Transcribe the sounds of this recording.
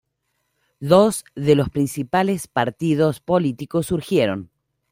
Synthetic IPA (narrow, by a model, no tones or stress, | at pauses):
d̪ozðelo̞spɾinsipalespaɾt̪ið̞o̞spolit̪ikosːuɾxjeɾo̞̰n